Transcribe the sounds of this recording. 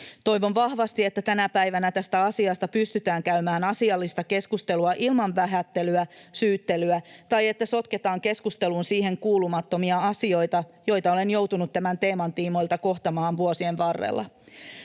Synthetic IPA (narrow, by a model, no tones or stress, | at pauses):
t̪o̞jʋo̞nʋɑhʋɑst̪iet̪ːæt̪ænæpæjʋænæt̪æst̪æɑsiɑst̪ɑpyst̪yt̪æːŋkæymæːnɑsiɑlːist̪ɑke̞skust̪e̞luɑʔilmɑɱʋæɦæt̪ːe̞lyæsyːt̪ːe̞lyæt̪ɑje̞t̪ːæso̞t̪ke̞t̪ɑːŋke̞skust̪e̞lunsiːɦe̞ŋkuːlumɑt̪ːo̞miɑɑsio̞jt̪ɑjo̞jt̪ɑo̞le̞njo̞wt̪unut̪t̪ːæmænt̪e̞ːmɑnt̪iːmo̞jlt̪ɑko̞xt̪ɑmɑːnʋuosie̞nʋɑrːḛlːʔɑ̰